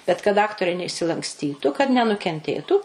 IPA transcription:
bʲɛt kɐt ˈɑːktoːrʲɛɪ nʲɛɪʃʲsʲɪlˠɐŋksʲˈtʲiːtʊ kɐt nʲɛnʊkʲɛnʲˈtʲeːtuː

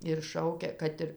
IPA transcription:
ɪr ˈʃɐʊkʲɛ ˈkɐt ɪr

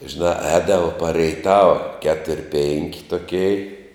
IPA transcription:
ʒʲɪˈnɑː ˈɛːdɐʋoː pɐr rʲɛɪˈtɑːʋɐ ˈkʲæːtʊrʲ pʲɛŋʲkʲ toːˈkʲɛɪ

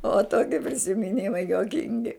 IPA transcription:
oː ˈtoːkʲɪ pʲrʲɪsʲɪmʲɪˈnʲɪmɐɪ juɔˈkʲɪŋʲɡʲɪ

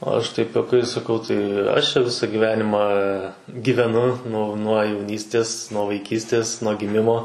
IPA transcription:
ɐʃ tɐɪp juɔˈkɐɪs sɐˈkɐʊ tɐɪ ɐʃ t͡ʃʲɛ ˈʋʲɪsɑː ɡʲiːˈʋʲæːnʲɪmɑː ɡʲiːʋʲɛˈnʊ nʊ nuɔ jɛʊˈnʲiːsʲtʲeːs nuɔ ʋɐɪˈkʲiːsʲtʲeːs nuɔ ɡʲɪˈmʲɪmoː

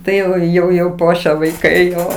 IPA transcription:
ˈtɐɪ jɛʊ jɛʊ jɛʊ ˈpuɔʃʲɛ ʋɐɪˈkɐɪ ˈjoː

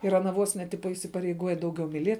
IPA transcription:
ɪr ɐˈnɐ ˈʋoːs nʲɛ ˈtʲɪpɐ ɪsʲɪpɐrʲɛɪˈɡuɔjɛ ˈdɐʊˌɡʲɛʊ mʲɪˈlʲiɛ

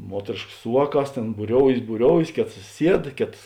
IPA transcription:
ˈmuɔtʲrʲeːʃkɐs ˈsʊ ʋɑːˌkɑːs ˈtʲeːn buːˈrʲoːʊjeːs buːˈrʲoːʊjeːs ˈkʲeːtɐs ˈsʲiɛt ˈkʲeːtɐs

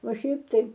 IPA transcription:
oː ˈʃʲɛɪp ˈtɐɪ

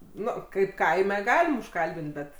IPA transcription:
ˈnʊ ˈkɐɪp ˈkɐɪmʲɛ ˈɡɑːlʲɪm ʊʃˈkɐlʲbʲɪnt ˈbʲɛt

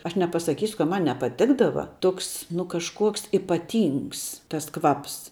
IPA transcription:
ˈɐʃ nʲɛpɐsɐˈkʲiːsʲʊ kɐt ˈmɐn nʲɛpɐˈtʲɪɡdɐʋɐ ˈtoːks nʊ kɐʃˈkuɔks ɪpɐˈtʲiːŋks tɐs ˈkʋɐps

